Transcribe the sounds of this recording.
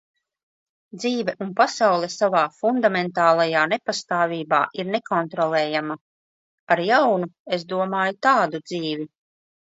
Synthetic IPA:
d̪ziːvɛʔunpasawlˠɛsavaːfund̪amɛnt̪aːlˠajaːnepast̪aːvʲiːba̰ːʔiɾnekɔnt̪ɾɔlˠɛːjama | aɾjawnuesd̪uɔmaːjut̪aːd̪ud̪ziːvi

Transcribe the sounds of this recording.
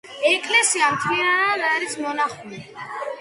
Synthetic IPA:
ɛkʼlɛsiamt̪ʰlinanad̪aɾismɔnaχuni

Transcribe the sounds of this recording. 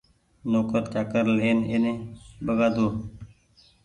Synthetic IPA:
noːkəɾt͡ʃaːkəɾleːnenẽːbəɡaːd̪oː

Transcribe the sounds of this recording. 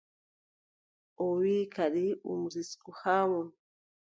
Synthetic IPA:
ɔwikʰaɗiṵmuziskuhamɔ

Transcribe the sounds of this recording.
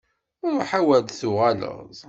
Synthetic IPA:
ʊɾħawæd̪θʊʁalə̰ðˤ

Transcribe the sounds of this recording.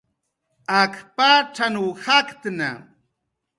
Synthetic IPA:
akʰpaʈ͡ʂanuhakt̪na̰

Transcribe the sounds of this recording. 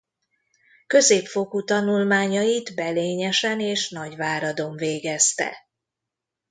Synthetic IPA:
kø̞zeːpfo̞kut̪ɒnulmaːɲɒjit̪bɛleːɲɛʃɛneːʃnɒɟvaːɾɒd̪o̞ɱveːɡɛst̪ɛ̰

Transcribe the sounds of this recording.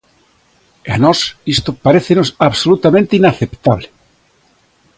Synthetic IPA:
anɔsist̪opaɾeθenosaβsolut̪amẽnt̪einaθept̪aβle

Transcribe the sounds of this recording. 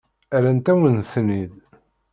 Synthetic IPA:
æɾænt̪æwənθnið

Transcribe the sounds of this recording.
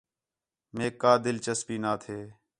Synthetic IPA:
meːkːaːd̪ɪlt͡ʃəspiːnaːt̪ʰeː

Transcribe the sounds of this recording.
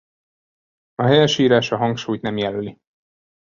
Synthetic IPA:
ɒɦɛjɛʃiːɾaːʃɒɦɒŋkʃuːjt̪nɛmjɛløli

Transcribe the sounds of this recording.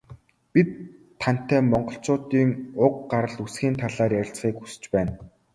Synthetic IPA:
pit̪ʰː | an̥t̪ːæːmɔɴɢɞ̆ɬt͡sʊːt̪iːŋʊq̚ɢaɾə̆ɮusxiːnt̪ʰaɮaːrjæɾʲɪ̆ɬt͡sχiːkxu̥sɘ̥̆t͡ɕpæːn

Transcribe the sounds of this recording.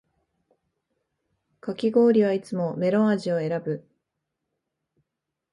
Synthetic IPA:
kakʲiɡo̞ːɾʲiβ̞ait͡sɨmo̞me̞ɾõ̞aʑio̞e̞ɾabɯ̟

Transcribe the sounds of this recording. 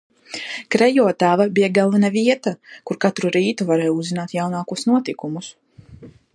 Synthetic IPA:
kɾɛjɔːt̪aːvabijaɡalˠvanaviɛt̪akuɾkat̪ɾuɾiːt̪uvaɾɛːjuzːinaːt̪jawnaːkuɔsnuɔt̪ikumus

